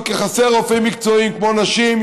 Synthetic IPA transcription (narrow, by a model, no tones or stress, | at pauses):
kɪχasɛʁofeɪmik̚t͡sɔimkmonaʃim